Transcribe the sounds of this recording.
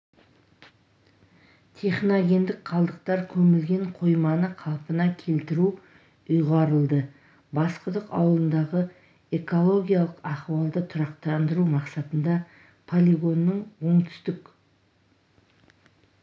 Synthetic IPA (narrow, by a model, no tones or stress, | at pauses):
t̪ʲʰe̞χnoɡʲe̞nd̪ɪk̚qʰɑlˠd̪əq̚t̪ɑɾkʲʰɵmɪlɡʲe̞ɴqʰo̞jmɑnəqʰɑlˠpənɑkʲʰe̞lt̪ɪɾu | ʊjʁɑɾəlˠd̪ə | bɑsqəd̪əqɑ̰wlˠənd̪ɑʁə | e̞ko̞lˠo̞ɡʲijalˠəqɑχwɑlˠd̪ət̪ʰʊɾɑqt̪ɑnd̪əɾumɑqsɑt̪ənd̪ɑ | pʰolʲiɡo̞nːəɴwo̞ɴt̪ʰʏ̥st̪ɪk